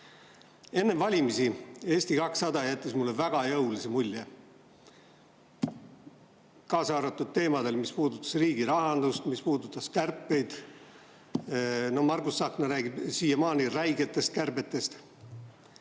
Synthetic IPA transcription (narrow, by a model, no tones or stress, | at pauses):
e̞nːevɑlʲimisie̞ːsʲt̪ikɑksːɑd̪ɑjæt̪ːˑesmulːevæɡ̥ɑjɤwlisemulʲːe | kɑːsɑːɾɑt̪ːˑud̪̥̚t̪e̞ːmɑd̪e̞lmispuːd̪ut̪ːˑɑ̥sriːɡiɾɑɦɑnd̪ust̪mispuːd̪ut̪ːˑɑskærpːe̞jd̪̥ | nohmɑrɡusːɑːknɑɾæːɡib̥siːjemɑːniræjɡet̪ːˑe̞st̪̚kærbe̞t̪ːˑe̞st̪